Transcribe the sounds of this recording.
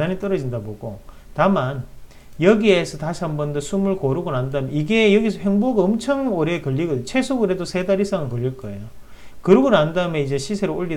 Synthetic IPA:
aɲit͈ʌɾʌd͡ʑindaboɡo | taman | jʌɡiesʰʌtaɕʰihambʌndʌsʰumɯɭkoɾuɡonandamjniɡe̞jʌɡisʰʌɸeŋboɡaʌmt͡ɕʰaŋoɾekʌʎːiɡʌdɯɲot͡ɕʰe̞sʰoɡɯɾedosʰe̞daɾis͈aŋɯnkʌʎːiɭk͈ʌe̞̰jo | kɯɾɯɡonandamjʌnid͡ʑe̞ɕʰisʰe̞ɾooʎːi

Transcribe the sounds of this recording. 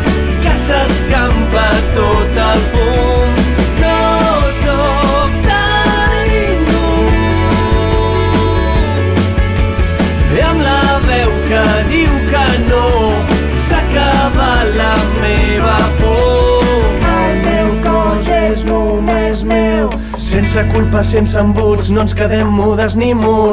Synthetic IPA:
kasɐskampɐ | t̪o | t̪ɐ | fu | d̪o | so | t̪a | nu | eamla | βɛwkɐ | ðiwkə | no | saka | βalə | meβəpo | malmewkɔzɛzno | mezmew | sensəkulˠpəsensəmbut͡snonskəðɛmːuðəznimu

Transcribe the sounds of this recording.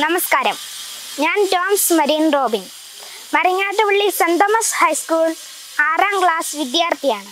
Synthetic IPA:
nɐmɐskaːɾɐmɲaːnʈoːmsmɐɾiːnroːbin | mɐriɲːaːʈːɨʋɐɭːisɐnd̪ɐmɐshɐjskuːɭ | aːraːŋɡɭaːsʋid̪jaːrt̪ʰijaːɳɨ

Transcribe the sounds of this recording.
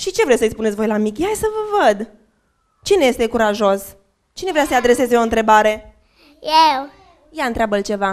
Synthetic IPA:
ʃit͡ʃe̞vɾewsəitsʲpunesʲvo̞jlamikʲeajsəvəvəd̪ | t͡ʃineje̞st̪e̞kuɾaʒo̞s | t͡ʃinevɾeasəjad̪ɾe̞se̞zeo̞ɨnt̪ɾe̞baɾe̞ | jew | jaɨnt̪ɾʲeabəlt͡ʃe̞va

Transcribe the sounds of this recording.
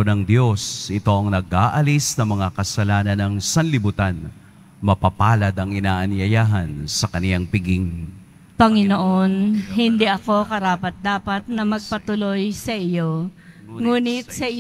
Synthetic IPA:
onɐŋd̪jo̞sɪt̪o̞ʔɐŋnɐɡʔaːʔɐlisnɐmɐŋakɐsɐlaːnɐnɐŋsɐnlɪbut̪an | mɐpɐpaːlɐd̪ɐŋɪnaːʔɐnjɐjaːɦɐnsɐkɐnɪlaŋpɪɡiŋ | pɐŋɪnoʔonɦɪnd̪iʔɐko̞kɐɾaːpɐt̪̚d̪aːpɐt̪̚nɐmɐɡ̚pɐt̪ʊlo̞jsɐʔɪjo̞ŋuːnɪt̪̚sɐʔɪ

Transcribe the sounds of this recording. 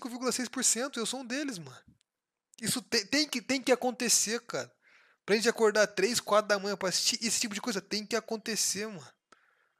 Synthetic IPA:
siŋkʊviɾɡulɐsejspoɾsẽnt̪ʊewsoũd̪elɪzmɐ̃ | isʊt̪ẽj̃t̪ẽj̃kɪt̪ẽj̃kɪakõnt̪eseka̰ɾ | pɾɐʒẽnt͡ʃɪakoɾd̪aɾt̪ɾejskwat̪ɾʊd̪ɐmɐ̃jɐ̃pɾɐːsi̥st͡ʃiʔesɪ̥t͡ʃipʊd͡ʒɪkojzɐt̪ẽj̃kɪakõnt̪eseɾmɐ̃

